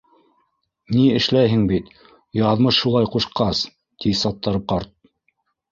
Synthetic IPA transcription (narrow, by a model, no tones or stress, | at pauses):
niɘ̆ʃlæjɦɘŋbit̪ | jɑðmɤʃʃulˠɑjquʃqɑs | t̪isɑt̪ːɑɾɤp̚qɑɾt̪̚